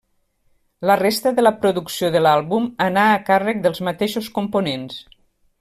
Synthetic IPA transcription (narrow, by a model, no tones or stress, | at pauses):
lərest̪əðələpɾuðuksioðəlalˠβumənaːkarək̚d̪əlˠzmət̪eʃuskumpunens